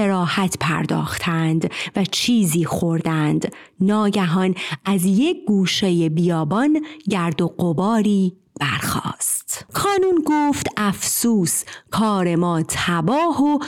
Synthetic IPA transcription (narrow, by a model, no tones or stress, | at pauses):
eɾɒːhæt̪ʰpʰæ̰ɾd̪ɒ̰ːxt̪ʰænd̪væt͡ʃʰiːziːxo̞ɾd̪ænd̪ | nɒːɟæɦɒnæzjec̚ʰɡuːʃe̞je̞bijɒːbɒnɟæɾd̪o̞ɢobɒːɾiː | b̥æɾxɒ̰ːst̪kʰɒːnuːnɡoːft̪ʔæfsuːskʰɒːɾe̞mɒːt̪ʰæbɒːho